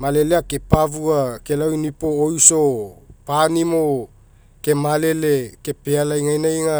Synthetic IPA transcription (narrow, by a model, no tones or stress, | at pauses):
male̞leake̞pavuake̞lawinipo̞ːjso̞panimo̞ | ke̞male̞le̞ke̞pealajŋajnajŋa